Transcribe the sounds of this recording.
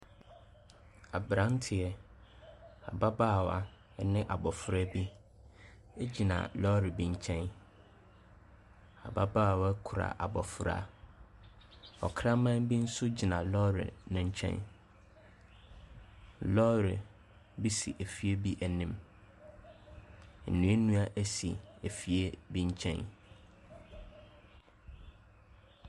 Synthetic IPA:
a˨bɾã˦n˦tʰɪ˨ɛ˨ | a̰˨ba˦baː˦˨wa˨ | nɪ̃˦ʔa˨bɔ˨fʊ˦ɾa˦bi˦ | e˦d͡ʑi˨nã̰˨lɔ˦ɾɪ˨bĩ˨ɲ̩˦t͡ɕʰɛ̃˦n | a̰˨ba˦baː˦˨wa˦kʰu˨ɾa̰˨ʔa˨bɔ˨fʊ˦ɾa̰˦ | ɔ̰˨kʰɾã˦mã˦nbi˦n̩˦sʊ˦d͡ʑi˨nã˨lɔ˦ɾɪ̰˨nʊ̃˦ɲ̩˦t͡ɕʰɛ̰̃˦n | lɔ˦ɾɪ˨ | bi˦sḭ˨ʔæ˨fi˦e˦bi˦ʔæ˨nĩ˦m | n̩˨nũ˨˦e˦nũ˦a˦ʔæ˦sḭ˨e˨fi˨e˦bĩ˦ɲ˦t͡ɕʰɛ̰̃˦n

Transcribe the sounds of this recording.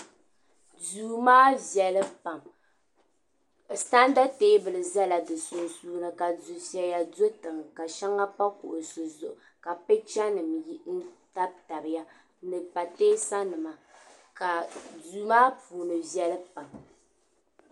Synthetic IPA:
duː˨maː˦vɛ˨lɨ˦pa˨m˨ | ta˦n˦da˦teː˦bɨ˨lɨ˨za˦la˨dɨ˨sʊ˨nsuː˦nɨ˨ka˨zu˨sɛ˦ja˨do˦tɨ˨ŋ˨ka˨ʃa˦ŋa˦pa˦ku˨ʔʊ˨sɨ˨zʊ˨ʔ | ka˨pɛ˦t͡ʃa˦nɨ˨mji˦n̩˦ta˦b̚ta˨bɨ˨ja˦ | nɨ˨pa˨teː˦sa˦nɨ˨ma˨ka˨duː˨maː˦puː˨nɨ˨vɛ˦lɨ˦pa˨m

